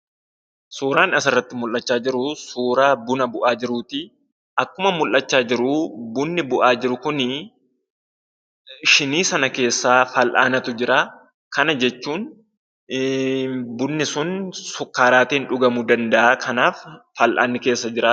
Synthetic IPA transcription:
suːɾaːnɐs̬ɪrːɐt̪ːɪmʊlːɐt͡ʃːaːd͡ʒɪɾʊsuːɾaːbʊnɐbʊʔaːd͡ʒɪɾuːt̪ɪ | ʔɐkːʊmɐmʊlʔːɐt͡ʃːaːd͡ʒɪɾʊbʊnːɪbʊʔaːd͡ʒɪɾʊkʊnɪ | ʃɪniːsɐnɐke̞ːsːaːfɐlʔa̰ːnɐt̪ʊd͡ʒɪɾaː | kɐnɐd͡ʒɛt͡ʃːuːn | bʊnːɪsʊnsʊkːaːɾaːt̪iːnᶑʊɡɐmʊd̪ɐnd̪ɐʔaːkʰɐnaːfː | ɐlʔa̰ːnːɪke̞ːsːɐd͡ʒɪɾaː

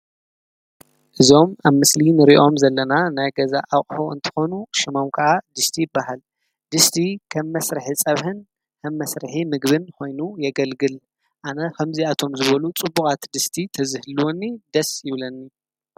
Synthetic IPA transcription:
ʔɨzo̞maβmɨslinɨɾiʔo̞mzɐlːɐnanajɡɐzaʔawχʼħoɨ̰nt̪ʰɨ̥xo̞nuʃɪmomkʰɨʔad̪ɨst̪ʰijɪbːahal | d̪ɨst̪ʰikʰɐmːɐsɾɨħit͡sʼɐβħɨn | kʰɐmːɐsɾɨħimɨɡβɨnkʰo̞jnujɛɡɐlɡɨl | ʔanɐkʰɐmziat̪ʰo̞mzɨβɐlut͡sʼɨbːukʼat̪d̪ɨst̪ʰit̪ʰɐzɨhɨluwonːid̪ɐsjɪβlɐnːi

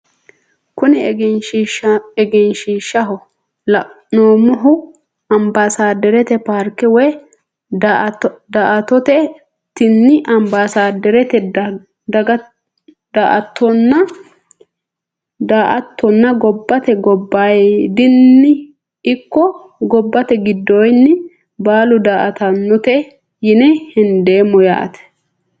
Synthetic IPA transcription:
kʊnɪnʃɛɡɛnʃiːʃːɐɦɔ | lɐ | noːmʊɦʊ | ɐmbasaːd̪ɛɾɛt̪ɛpaːɾkɪwɔj | d̪aːʔɐt̪ɔt̪ɛ | t̪ɪnːɪʔɐmbaːsaːd̪ɛɾɛt̪ɛ | d̪ɐɡɐ | d̪aːʔɐt̪ːɔnːɐ | d̪aːʔɐt̪ːɔnːɐɡɔbːɐt̪ɛɡɔbːaːjd̪ɪnːɪ | ɪkːɔ | ɡɔbːɐt̪ɛɡɪd̪ːoːjnːɪ | baːlʊd̪aːʔɐt̪ɐnːɔt̪ɛ | jɪnɛhɛnd̪e̞ːmːɔja̰ːʔɐ̰t̪ɛ̥

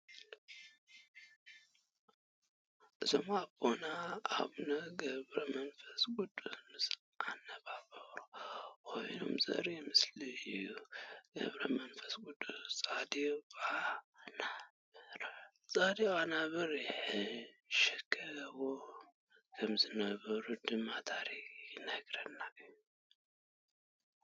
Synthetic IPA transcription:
ʔɨzomabona̰ːβnɐɡɐβɾɐmɐnfɐsɡʼud̪ʼumɨsl | ʔanːɐβabɐɾowojno̰mzɐ̰ɾimɨsliɨjːuɡ̥ɐ̰βɾɐmɐnfɐ̥sɡud̪ut͡sʼad̪ianaβɨɾ | sʼad̪ianaβɨɾħɨʃɛkʰːɐβo | kʰɐmzɨnɐβɐɾud̪ɨmːat̪ʰaɾikʼjɨnɐɡɾɐnːak

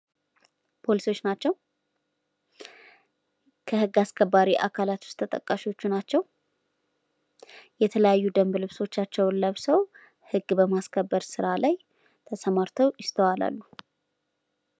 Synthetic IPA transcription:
pʰo̞liso̞t͡ʃːnat͡ʃːɛw | kʰəhɨɡːaskʰəbːaɾiʔa̰kʰalat̪wʊ̥st̪ʰət̪ʼə̰kʼːaʃiwo̞t͡ʃːunat͡ʃːɛw | jɛt̪ʰələjajːud̪əmblɨβso̞t͡ʃːat͡ʃːɛwləβsəw | hɨɡːbəmaskʰəbːəɾsɨɾalaj | t̪ʰəsəmaɾt̪ʰəwjɪst̪ʰəwala̰lːu

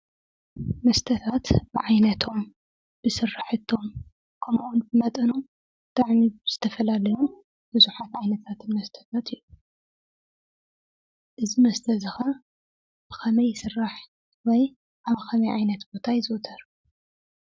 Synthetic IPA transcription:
mɐst̪ʰɐt̪ʰat̪b̥ɨʕajnɐt̪ʰo̞m | b̥ɨsɨrːaħɨt̪ʰːo̞m | kʰɐmʔunbɨmɐt̪ʼɐnom | t̪ʼaʕniz̥ɨt̪ʰɐfɐlalɐjum | b̥ɨzuħat̪ʕajnɐt̪ʰat̪ʰɨnmɐst̪ʰɐ̥t̪ʰat̪ʰɨjːu | ʔɨzimɐst̪ʰɐzɨxɐ | b̥ɨkʰɐmɐjːɪsɨrːaħ | wɔj | ʔaβɐxʰɐmɐjʕajnɐt̪bo̞t̪ʰajzɨʔʊt̪ʰɐɾ

